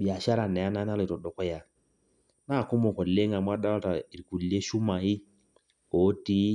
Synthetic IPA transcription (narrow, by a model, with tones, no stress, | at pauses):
ɓi˨a˨ʃa˦ɾa˨nɛ˨a˦na˦na˦le˨tɔ˨ɗɔ˨kɔ˦ja˨ | na˦˨ku˦mɔ˨kɔ˨le˦ŋa˨mwa˦ɗa˦a˦ta˨i˨ɾi˨ku˨lːe˦ʃu˦ma˨i˦ | ɔ˨˦ti˦